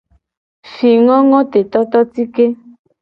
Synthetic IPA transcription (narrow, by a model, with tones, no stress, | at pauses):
fi˨ŋɔ̃˦ŋɔ̃˦t̪e˨t̪ɔ˦t̪ɔ˦t̪i˦ke˦